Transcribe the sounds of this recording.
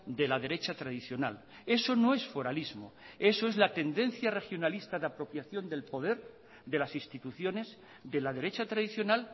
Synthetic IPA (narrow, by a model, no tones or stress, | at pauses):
d̪e̞lað̞e̞ɾe̞t͡ʃat̪ɾaðiθjo̞nal | e̞so̞no̞e̞sfo̞ɾalizmo̰e̞so̞e̞zlat̪e̞nd̪e̞n̟θjare̞xjo̞nalist̪aðapɾo̞pjaθjo̞nd̪e̞lpo̞ð̞e̞ɾ | d̪e̞lasist̪it̪uθjo̞ne̞z | d̪e̞lað̞e̞ɾet͡ʃat̪ɾaðiθjo̞nal